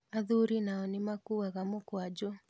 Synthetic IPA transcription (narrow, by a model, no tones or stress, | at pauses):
aðuɾinaɔnɪmakuaɣamʊkwad͡ʒɔ